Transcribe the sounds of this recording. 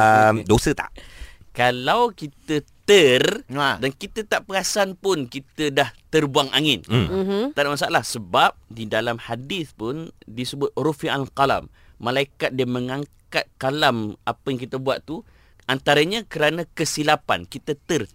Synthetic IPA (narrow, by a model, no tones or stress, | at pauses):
əmdosət̪a̰ʔkalawkit̪ət̪ərdankit̪ət̪aʔpəɣasanpʊnkit̪ədaht̪ərbuaŋa̰ŋɪnt̪adaʔmasaʔalahsəbap̚didalamhadɪθpʊndisəbʊt̪̚rufiaʔalqala̰mː | ãlaikat̪̚diəmə̃ŋaŋkkat̪̚kalamapəjaŋkit̪əbua̰t̪t̪u | ʔant̪aɾəɲãkəɾanãkəsilapa̰nkit̪ət̪ər